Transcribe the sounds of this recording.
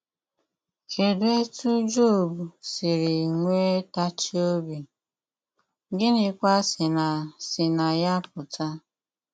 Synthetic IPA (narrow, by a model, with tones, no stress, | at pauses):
ke˨du˦e˦tu˦d͡ʒo˦˨bu˨sɪ˨ɾi˨ŋʷe˦ta˦t͡ʃi˦o˦bi˨ | ɡɪ˦nɪ˦kʷa˦sɪ˨na˨sɪ˨na˨ja˦pʊ˨ta˦